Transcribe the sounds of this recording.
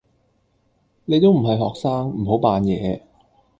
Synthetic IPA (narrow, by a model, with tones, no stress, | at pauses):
ne˨˧jt̪o˥wm̩˨˩ɦɐ˨jɦɔː˨k̚saː˥ŋm̩˨˩ɦo˨˥wpaː˨njɛː˨˧